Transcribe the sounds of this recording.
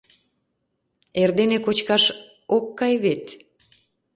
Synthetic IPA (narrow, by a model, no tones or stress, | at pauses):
erd̪enekot͡ɕkɑʃ | okːɑjβet̪